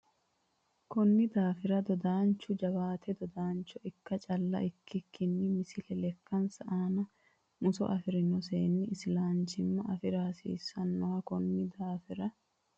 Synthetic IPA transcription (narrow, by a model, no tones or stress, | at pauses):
kɔnːɪd̪aːfɪɾɐd̪ɔd̪aːnt͡ʃːʊd͡ʒɐβaːt̪ʰɛd̪ɔd̪aːnt͡ʃːɔɪkːɐt͡ʃʼɐlːɐ̰ʔɪkːɪkʰːɪnːɪmɪsɪlɛlɛkːɐnsɐʔaːnɐ | mʊsɔ̰ʔɐfɪɾɪnɔseːnːɪɪsɪlaːnt͡ʃɪmːɐʔɐfɪɾaːsḭːsːɐnːɔwɐkɔnːɪd̪aːfɪɾɐ